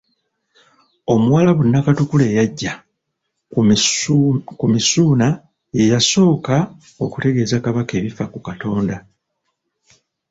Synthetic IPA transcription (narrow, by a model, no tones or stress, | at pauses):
o̞muwaːlaβunːakatukule̞ːjaɟːa | kumisuːna | je̞jaso̞ːka | o̞kute̞ɡe̞ːzakaβake̞ːβifakukato̞ːnda